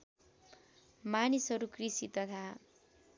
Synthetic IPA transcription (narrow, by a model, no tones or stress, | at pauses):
manisɦʌɾukrisit̪ʌt̪ʰa